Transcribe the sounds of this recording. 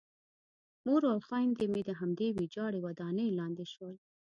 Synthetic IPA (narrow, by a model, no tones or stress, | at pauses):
moɾawxɑjnd̪emid̪əɦamd̪ewid͡ʒɑɽewad̪ɑnəjlɑnd̪eʃwəl